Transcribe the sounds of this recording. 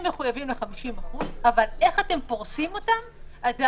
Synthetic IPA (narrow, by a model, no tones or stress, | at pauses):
mːe̞χujavimleχamiʃimaχuzavale̞χate̞mpo̞ʁsimo̞tamaz